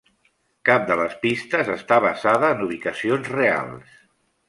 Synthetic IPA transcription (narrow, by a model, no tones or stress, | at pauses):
kap̚d̪ələspist̪əzəst̪aβəzaðəːnuβ̞ikəsionzrea̰lˠs